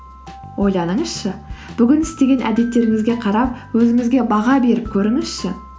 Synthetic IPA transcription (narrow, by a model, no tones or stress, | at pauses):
wʔo̞jlˠɑnəɴəz̥ʃəb̥ʏɡʲɪnɪ̥st̪e̞ɡʲe̞nʔæ̰d̪e̞t̪ːe̞ɾɪŋɪzɡʲe̞qʰɑɾɑp̚wɵzɪŋɪzɡʲe̞bɑʁɑbe̞ɾɪp̚kʲʰɵɾɪŋɪz̥ʃɪ